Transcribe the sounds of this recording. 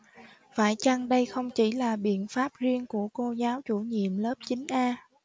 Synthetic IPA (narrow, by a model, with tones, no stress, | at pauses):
faː˧˩jt͡ɕa˧ŋɗə˧jxə˧wŋ͡mt͡ɕi˧˩laː˨˩ɓḭ˧˨ənfaː˦˥p̚zi˧əŋku˧˩əko˧zaː˨˦wt͡ɕu˧˩ɲḭ˧˨əmləː˦˥p̚t͡ɕï˨˦ŋ̟ʔaː˧